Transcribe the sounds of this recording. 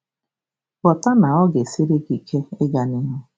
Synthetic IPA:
kɔ˨ta˦na˨ɔ˦ɡe˨si˦ɾi˦ki˨kʰe˦ɪ˦ɡa˨ni˦me˦

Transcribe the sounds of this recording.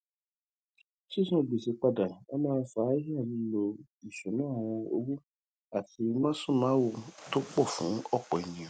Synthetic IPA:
ʃi˦sã˦˨ɡ͡bi˨si˨˧k͡pa˧da˨ɔ˦mãː˦fa˨˦i˦ɦi˦a˦˨nĩ˧lo˧i˨sũ˨˦nãː˦˨w̃ɔ̃˧o̰˧ɡu˦ | a˦˨ti˧mã˦sũ˦˨mãː˨˦wo˦˨to˦k͡pɔ˦˨fṵ̃˨˦ɔ˦˨k͡pɔ˨i˨nĩ˨

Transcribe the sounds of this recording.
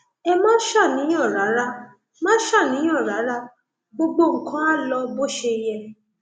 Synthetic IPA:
ɛ˧mãː˦ʃa˦˨nĩ˨˦ɔ̃˦˨ɾa˨˦ɾa˦ | mãː˦ʃa˦˨nĩ˨˦ɔ̃˦˨ɾa˨˦ɾa˦ | ɡ͡bo˧ɡ͡bo˦ŋ̩˨kã˦a˦lɔ˧bo˦ʃe˧i˧jɛ˧

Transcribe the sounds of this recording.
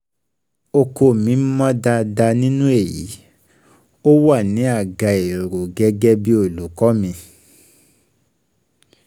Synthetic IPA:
o˧ko˧˨mĩ˨˦mɔ̃˦da˧da˧nĩ˦nũ˦e˦˨jḭ˨˦ | o˦wa˦˨nĩ˨˦a˦˨ɡa˧˨e˨ɾo˨ɡɛ˦ɡɛ˦bi˦o˦˨lu˨˦kɔ˦mĩ˧

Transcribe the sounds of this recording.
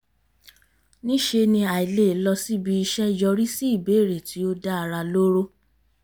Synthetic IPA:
nĩ˦ʃe˧nĩ˧a˨i˨le˦˨˦lɔ˧si˦bi˧˦i˧ʃɛ˦d͡ʒɔ˧ɾi˦si˦i˦˨be˨˦˨ɾe˨tʰi˨˦o˦da˦a˧ɾa˧lo˦ɾo˦

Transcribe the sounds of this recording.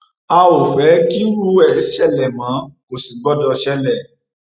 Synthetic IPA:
a˧o˨fɛ˨˦ki˦ɾu˦ɛ˦˨˦ʃɛ˦˨lɛ˨mã˨˦ko˨si˨ɡ͡bɔ˦dɔ˧ʃɛ˦lɛ˦˨

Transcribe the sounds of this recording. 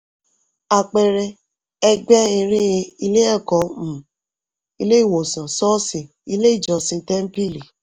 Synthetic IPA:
a˨k͡pɛ˧ɾɛ˧ | ɛ˧ɡ͡bɛ˦ĩ˧ɾĩ˦˧i˧le˦ɛ˦˨kɔ˨˦m̩̃˨ | i˧le˦i˦˨wo˨sã˨sɔ˦sĩ˨ | i˧le˦i˦˨d͡ʒɔ˨sĩ˧tɛ˦m̩˦pi˦˨li˨

